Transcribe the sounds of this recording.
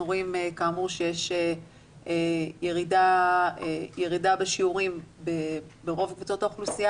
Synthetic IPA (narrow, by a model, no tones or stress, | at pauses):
uʁoimekaːmuʁʃejeʃe | ejeʁidaejeʁidabeʃiuʁimbebeʁo̞vkvut͡so̞t̪aoχlusija